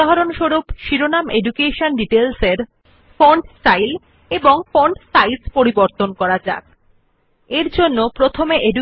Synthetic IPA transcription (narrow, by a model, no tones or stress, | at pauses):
aɦaɾonʃoɾupʃiɾonameɖukeʃonɖiʈelseɾ | foɳɖsʈajl | eboŋfoɳɖsajspoɾiboɾt̪onkɔɾad͡ʑa̰k̚ | eɾd͡ʑonːopɾot̪ʰomeʔeɖu